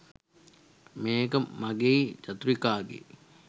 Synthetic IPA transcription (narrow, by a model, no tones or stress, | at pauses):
meːkəmaɡeit͡ʃat̪uɾikaːɡḛ